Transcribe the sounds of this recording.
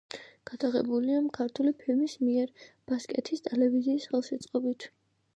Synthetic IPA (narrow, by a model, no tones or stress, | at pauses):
ɡ̥ad̪̥aʁɛ̰buliamkʰaɾt̪ʰulipʰilmismiɛɾb̥askʼɛt̪ʰist̪ʼɛlɛviziːsχɛlˠsɛt̪sʼqʼɔbit̪ʰ